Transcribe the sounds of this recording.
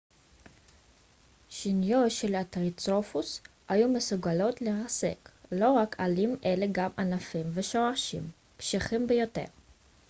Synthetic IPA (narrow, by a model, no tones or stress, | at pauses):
ʃinjotʃelat̪ʁit͡sofus | hajumesuɡalo̞tleʁase̞̰klo̞ʁakalimʔeleɡamʔanafimveʃo̞aʃḭm | pʃiχimbejote̞̰ʁ